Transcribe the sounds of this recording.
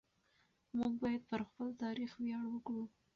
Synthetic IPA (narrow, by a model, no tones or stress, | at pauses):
muɡ̚bɑjad̪̚pəɾxpəlt̪ɑɾixwjɑɽwəkɽu